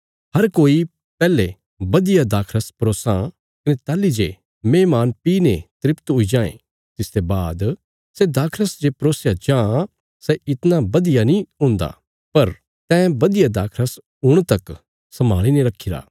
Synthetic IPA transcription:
ɦɐɾkoːi | pɛːle | bɐd̪ɪjad̪aːkʰɾəspɾoːsã | kɐnet̪aːlːid͡ʒe | mẽːmaːnpiːnẽt̪ɾɪpt̪ʊid͡ʒãːḛ̃ | t̪ɪst̪ebaːd̪ | sed̪aːkʰɾəsd͡ʒepɾoːsjad͡ʒãː | sɛɪt̪nabɐd̪ɪjanĩʊ̃ːnd̪a̰ː | pɐɾ | t̪ɛ̃ːbɐd̪ɪjad̪aːkʰɾəs | ɦʊɽ̃t̪ɐk | sɐma̰ːɭineɾɐkʰːɪɾa̰ː

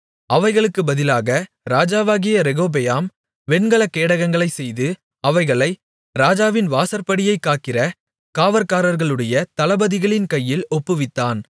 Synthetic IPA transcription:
ɐʋɐɪɣɐɭɯkːɯbɐðɪlaːɣɐ | ɾaːd͡ʒaːʋaːɣɪjɐɾɛɣoːb̬ɛjaːm | ʋɛɳɡɐɭɐkːeːɽɐɣɐŋɡɐɭɐɪsɛjðɯ | ɐʋɐɪɣɐɭɐɪ | ɾaːd͡ʒaːʋɪnʋaːsɐɾpɐɽɪjɐɪkːaːʈ̚kɪrɐ | kaːʋɐɾkaːɾɐɾɣɐɭɯɽɐjɐt̪ɐlɐbɐðɪɣɐɭɪnkɐjːɪlɔpːɯʋɪt̪ːaːn

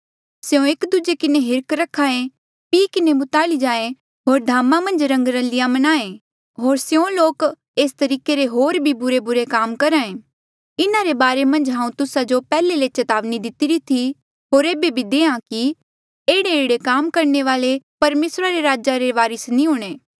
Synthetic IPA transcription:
seõeːkd̪ʊd͡ʒekɪneɦɪɾkɾɐkʰaːẽ | piːkɪnebʊt̪aːlid͡ʒaːẽ | ɦoːɾd̪ʱaːmamɐ̃nd͡ʒɾɐ̃ŋɡɾə̃lɪjãmɐnaːẽ | ɦoːɾseõloːk | eːst̪ɐɾiːkeɾeɦoːɾbʱibʊɾebʊɾekaːmkɐɾaːẽː | ɪnaɾebaːɾemɐ̃nd͡ʒɦãːũt̪ʊsad͡ʒopɛːlelet͡ʃɐt̪aːʋnid̪ɪt̪ɪɾit̪ʰi | ɦoːɾeːbebʱid̪eːãki | eːɽeeːɽekaːmkɐɾɳeʋaːlepɐɾmeːsɾaɾeɾaːd͡ʒaɾeʋaːɾɪsnĩɦʊːɽ̃eː

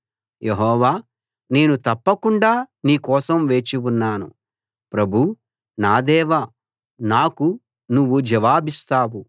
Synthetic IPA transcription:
jʔeɦɔːʋaː | ne̞ːnut̪ɐpːɐkuɳɖaːniːkɔːsɐmʋe̞ːt͡ʃiwunːaːnṵ | pɾɐbʱu | naːd̪ɛːʋɐ | naːku | nuʋːud͡ʒɐʋaːbist̪aːwu

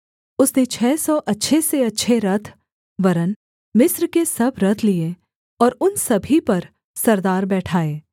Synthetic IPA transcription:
ʊsnet͡ʃʰɛːsɔːʔɐtːʃʰeseɐtːʃʰeɾɐt̪ʰ | ʋɐɾən | mɪsɾkesɐbʱɾɐt̪ʰlie | ɔːɾʊnsɐbʱipɐɾ | sɐɾd̪aːɾbɛːʈʰaːeː

